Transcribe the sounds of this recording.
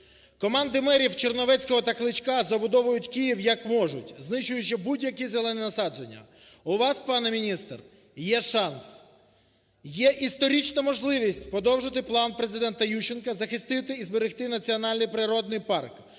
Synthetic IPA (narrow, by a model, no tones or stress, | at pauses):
kɔmɑnd̪ɪmɛɾʲiwt͡ʃernɔʋɛt͡sʲkɔɦɔt̪ɐxlˠɪt͡ʃkɑzɐbʊd̪ɔʋʊjʊtʲkijiwjɐkmɔʒʊtʲznɪʃʊjʊt͡ʃɪbudʲjɐkizelˠɛnɛnɐsɑd͡ʒenʲːɐ̰ | ʊʋɑspɑnɛmʲinʲist̪r | jɛʃɑns | jɛʔist̪ɔɾʲit͡ʃnɐmɔʒlˠɪʋʲisʲtʲpɾɔd̪ɔwʒɪt̪ɪplˠɑnpɾe̞zɪd̪ɛnt̪ɐjuʃɪnkɐzɐxɪst̪ɪt̪ɪizbeɾɪxt̪ɪnɐt͡sʲiɔnɑlʲnʲijpɾɪɾɔd̪̚nɪjpɑrk